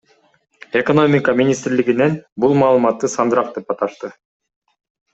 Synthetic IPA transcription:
e̞ko̞no̞mʲɪkɑmʲinʲist̪ɾliɡinenbulˠmɑːlˠɯmɑt̪ːɯsɑnd̪ɾɑq̚d̪epɑt̪ɑʃt̪ɯ

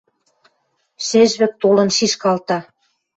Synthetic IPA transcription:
ʃeʒβɘ̆k̚t̪olɤ̆nʃiʃkɑlt̪ɑ

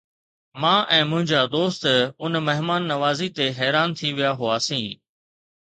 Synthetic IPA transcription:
mãːʔɛ̃ːmʊ̃ɦɪ̃ɲd͡ʑaːd̪oːst̪ʊnmɐɦmaːnːɐʋaːzit̪eɦɛːɾaːnt̪ʰiʋijaɦʊaːsĩː

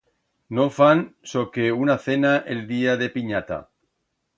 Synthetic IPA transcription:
nofansokeunaθenaʔeld̪iaðe̞piɲat̪a̰

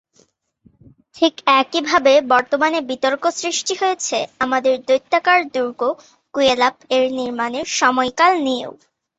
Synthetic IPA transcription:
tʰikɛkibʱabebɔɾt̪omanebit̪oɾkosɾiʃʈiɦojet͡ɕʰeamad̪eɾd̪ojt̪ːakaɾd̪uɾɡo | kuelapeɾniɾmaneɾʃɔmɔejkalnijḛw

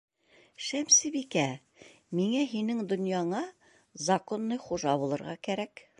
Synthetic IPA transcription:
ʃæmsɘbikæ | miŋæɦinɘŋd̪ŏnjɑɴɑ | zɐkonːɤjχuʒɑbulˠɤ̆ɾʁɑkæɾæk

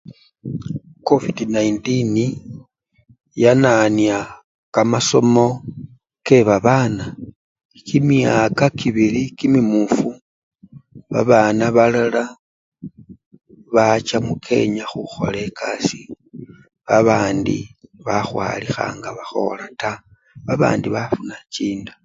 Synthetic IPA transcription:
ko̞vidnaintini | jananja | kamaso̞̰mo̞ | ke̞βaβana | kimiakakiβilikimimufu | βa̰βanaβalala | βat͡ʃamukʰe̞̰ɲaxuxo̞̰le̞kʰasi | βaβaːndḭβaxwa̰ːlixa̰ːŋɡaβaxo̞̰lata | βaβa̰ːndiβafunat͡ʃiːnda

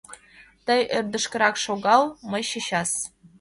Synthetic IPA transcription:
t̪ɤjørd̪ə̆ʃkə̆ɾɑkʃoɣɑlmɤjɕiɕɑs

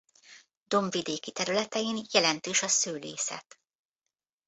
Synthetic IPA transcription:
d̪̥o̞ɱvid̪eːkit̪ɛɾylɛt̪ɛjinjɛlɛnt̪øːʃɒsøːleːsɛ̰t̪

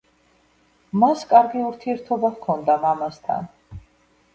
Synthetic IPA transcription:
maskʼaɾɡiuɾt̪ʰiɛɾt̪ʰɔbavkʰɔnd̪amamast̪ʰa̰n

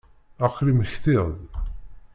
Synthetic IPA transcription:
aqːliməçθiðˤ

